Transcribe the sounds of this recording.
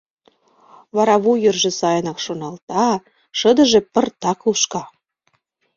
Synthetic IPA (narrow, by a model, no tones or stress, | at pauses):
βɑɾɑβujərʒĕsɑjənɑkʃonɑlt̪ɑ | ʃəd̪ə̆ʒĕpə̆rt̪ɑkuʃkɑ